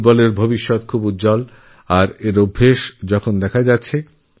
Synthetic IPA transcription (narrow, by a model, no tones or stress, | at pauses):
bɔleɾbʱobiʃːɔt̪kʰubutːd͡ʑɔl | aɾeɾobʱːeʃd͡ʑɔkʰond̪ɛkʰad͡ʑatːɕʰe